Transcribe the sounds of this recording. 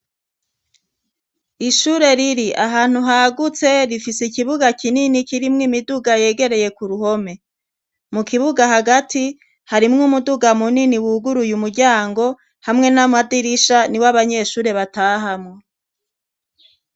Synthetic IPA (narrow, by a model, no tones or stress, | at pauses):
iʃuɾe̞ɾiɾiʔaɦaːn̥huɦaɡut͡se̞ɾifisikiβuɡakininikiɾimŋimiduɡaje̞ːɡe̞ɾe̞je̞kuɾuho̞me̞ | mukiβuɡaɦaɡati | haɾimŋumuduɡamuniniwuɡuɾujumuɾɟaːŋɡo̞ | hamŋe̞namadiɾiʃaniwaβaɲe̞ʃuːɾe̞βataːɦamŋo